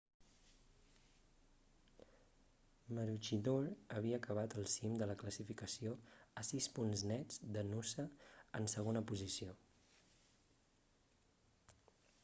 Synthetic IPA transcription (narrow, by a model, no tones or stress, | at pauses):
məɾut͡ʃiðoɾəβ̞iəːkəβ̞at̪əlˠsimd̪ələkləsifikəsioəsispunznɛd͡zd̪ənusəənsəɣ̞onəpuzisio